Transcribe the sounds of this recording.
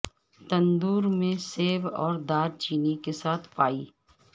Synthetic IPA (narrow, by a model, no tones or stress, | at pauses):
t̪ɐ̃nd̪uːɾmẽseːʋɔːɾd̪aːɾt͡ʃiːnikesaːt̪ʰpaːiː